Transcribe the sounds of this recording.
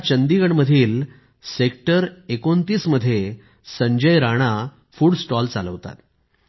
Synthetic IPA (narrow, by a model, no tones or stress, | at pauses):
at͡ɕənd̪iɡəɳməd̪ʱiːl | sekʈəɾekont̪iːsməd̪ʱːje | səɲd͡ʑəjɾaɽ̃a | fuːɽsʈɔlt͡salə̰ʋt̪a̰t̪